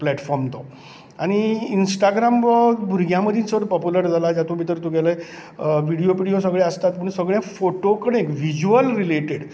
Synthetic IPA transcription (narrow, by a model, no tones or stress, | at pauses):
plæʈfɔɾmt̪ɔ | aɽ̃iːnsʈaɡɾamʋəbʱuɾɡʱjãməd̪ʱiːnsəəɽpɔpjuləɾd͡zʱalad͡ʑjat̪ʰũbʱit̪əɾt̪uɡeləj | ʋiɽijopiɽijosəɡɭeəst̪at̪məɳsəɡɭjãfoʈokəɳekʋid͡ʑuəlɾileʈeɽ